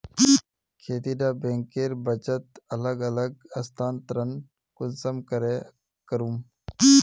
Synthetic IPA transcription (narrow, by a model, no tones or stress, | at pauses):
i | kʰeːt̪iɖaːbẽːŋkeːɾbɐt͡ʃət̪ɐləɡɐləɡ̚ɐst̪ʰaːnt̪ɾən | kʊnsəmkəɾe | kəɾuːm | i